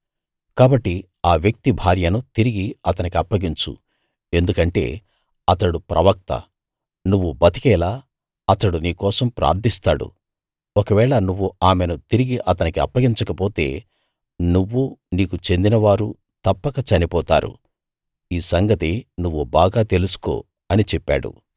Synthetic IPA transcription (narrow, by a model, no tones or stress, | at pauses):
kaːbɐʈːi | aːʋjɐk̚t̪ibʱaːɾjɐnut̪iɾiɡiɐt̪ɐnikiɐpːɐɡiɲt͡ʃṵ | e̞nd̪ukɐɳʈe̞̰ː | ɐt̪ɐɽupɾʔɐʋɐk̚t̪ɐ̰ | nuʋːubɐt̪i̥kɛːlaː | ɐt̪ɐɽuniːkɔːsɐmpɾʔa̰ːɾd̪ʱist̪aːɽṵ | okɐʋɛːɭɐnuʋːuaːmenut̪iɾiɡiʔɐt̪ɐnikiɐpːɐɡiɲt͡ʃɐkɐpoːt̪e̞̰ː | nuʋːuniːkut͡ʃe̞nd̪inɐʋaːɾu | t̪ɐpːɐkɐt͡ʃɐnipɔːt̪a̰ːɾṵ | iːsɐŋɡɐt̪inuʋːubaːɡaːt̪e̞lusu̥ko̰ː | ɐnit͡ʃɛpːa̰ːɽṵ